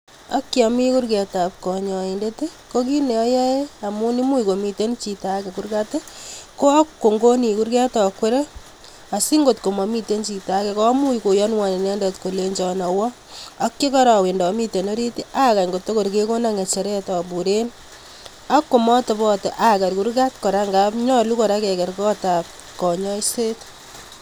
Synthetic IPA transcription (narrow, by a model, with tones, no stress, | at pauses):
a˦kːjɔmi˦ku˦rkɛ˨ta˨p̚kɔ˨ɲɔ˨inde˦te˦ | ko˦ki˦ne˨ɔ˦jɛ˦a˨mu˦ni˦mu˦iko˨mi˨te˦nt͡ʃi˨ta˦kɛ˨kuɾka˦te˦ko˦a˦kːo˨ŋɡo˦ni˨ku˦ɾkɛ˦tɔ˨kwe˦ɾe˦ | a˨si˦ŋɡo˨tko˨mɔ˨mi˦te˦nt͡ʃi˨ta˦kɛ˨kɔ˦mu˦i˨ko˨jɔ˦nwa˨ne˨nɛ˦ndɔtko˨leɲd͡ʒɔ˨nɔ˨wɔ˦ | a˦kːe˦kɔ˦ɾa˨we˨ndɔ˨mi˦te˨no˦ɾi˦ti˦ʔa˦ka˨ŋɡo˨to˦ko˨ɾk̬e˦ko˦na˦ŋe˨t͡ʃe˨ɾɛ˦tɔ˨pu˨ɾe˦n | a˦kːo˨mɔ˦to˨bɔ˦te˨ʔa˨ka˨ɾku˦ɾka˦tkɔ˨ɾa˦ŋɡa˦pɲɔ˦lu˦kɔ˨ɾa˦kɛ˨kɛ˨ɾkɔ˦ta˨p̚ | kɔ˨ɲɔ˦jse˦t